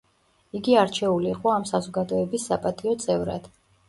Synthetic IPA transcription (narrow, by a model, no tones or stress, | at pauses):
iɡiaɾt͡ʃʰɛuliːqʼɔamsazɔɡad̪ɔɛbisːapʼat̪ʼiɔt̪sʼɛvɾa̰d̪̥